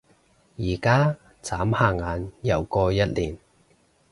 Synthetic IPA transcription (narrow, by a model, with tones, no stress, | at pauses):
jiː˨˩kaː˥ | t͡saː˨˥mhaː˧˩ŋaː˨˥njɐ˨˧wkɔː˧jɐ˥t̚liː˨˩n